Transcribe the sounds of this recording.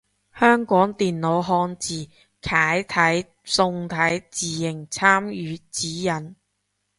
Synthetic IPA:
hœː˥ŋkɔː˨˥ŋt̪iː˨nlo˨˧˥wɦɔː˧nt͡siː˨ | kʰaː˨˥jt̪ʰɐ˨˥j | sʊ˧ŋt̪ʰɐ˨˥jt͡siː˨jɪ˨˩ŋt͡sʰaː˥mjyː˨˧t͡siː˨˥jɐ˨˥n

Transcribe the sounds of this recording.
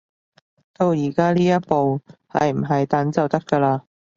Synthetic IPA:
t̪o˧wjiː˨˩kaː˥liː˥jɐ˥t̚po˨whɐ̰˨jm̩˨˩ɦɐ˨jt̪ɐ˨˥nt͡sɐ˨wt̪ɐ˥kːəː˧laː˧

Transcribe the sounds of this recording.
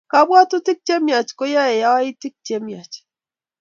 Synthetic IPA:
ka˨bwa˦tu˦ti˦k̚t͡ʃe˦mja˨t͡ʃko˦ja˦ɛ˨ja˦wa˦i˦ti˦k̚t͡ʃe˦mja˨t͡ʃ

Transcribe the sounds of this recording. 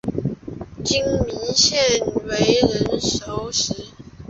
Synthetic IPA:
t͡ɕi˦ŋmi˨˦ɕjɛ˥˨nwe˨˧˦ɪɻə˨˦nʂo˨˦ʊʂɻ̩˨˥˦

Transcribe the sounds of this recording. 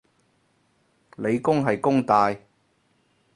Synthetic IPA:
le˨˧jkʊ˥ŋɦɐ˨jkʊ˥ŋt̪aː˨˧j

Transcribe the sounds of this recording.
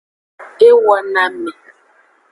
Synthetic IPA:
e˦wɔ˦na˦me˨

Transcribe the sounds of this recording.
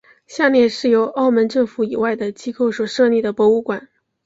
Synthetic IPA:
ɕja˥˧ljɛ˥˧nʂɻ̩˥˩jo˧˥ʊʔɑ˥˩ʊmə˧˥nʈ͡ʂɤ˥˩ŋfu˧˥i˨˩wa˥˩ɪd̪ə˩t͡ɕi˥ko˥˩ʊswɔ˨˩ʂɤ˥˧li˥˩d̪ə˩pwɔ˧˥u˧˥kwa˨˩˦n

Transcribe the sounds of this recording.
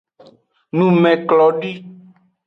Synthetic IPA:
nũ˨mɛ̃˨klɔ˨ɖi˦

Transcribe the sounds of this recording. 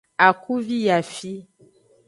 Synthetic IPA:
a˨ku˦vi˦ja˨fi˦

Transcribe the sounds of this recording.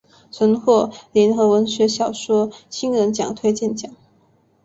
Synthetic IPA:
t͡sʰwə˧˥nxwɔ˥˩li˧˥nxɤ˧˥wə˧˥nɕɥɛ˧˥ɕjɑ˨˩ʊʂwɔ˥ɕi˥nɻə˧˥nt͡ɕjɑ̰˨˩ŋt̪ʰwe˥ɪt͡ɕjɛ˥˩nt͡ɕjɑ˨˩˦ŋ

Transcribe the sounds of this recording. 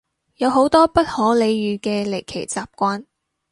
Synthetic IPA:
jɐ˨˧wɦo˨˥wt̪ɔː˥pɐ˥t̚hɔː˨˥le˨˧jjyː˨˧kɛː˧le˨˩jkʰe˨˩jt͡saː˨p̚kʷaː˥n

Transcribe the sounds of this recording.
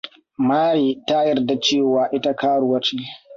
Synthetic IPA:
maː˦ɽiː˨ta˦jɐ˦rda˨t͡ʃeː˦˨waː˨ʔɪ˦ta˦kaː˦ɽu˦wɐ˦t͡ʃeː˦

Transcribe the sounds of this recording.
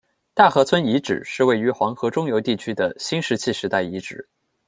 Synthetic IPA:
t̪a˥˩xɤ˧˥t͡sʰwə˥ni˧˥ʈ͡ʂɻ̩̰˨˩ʂɻ̩˥˧we˥˩ɪy˧˥xwɑ˧˥ŋxɤ˧˥ʈ͡ʂʊ˥ŋjo˧˥ʊt̪i˥˩t͡ɕʰy˥d̪ə˨ɕi˥nʂɻ̩˧˥t͡ɕʰi˥˩ʂɻ̩˧˥t̪a˥˩ɪi˧˥ʈ͡ʂɻ̩˨˩˦

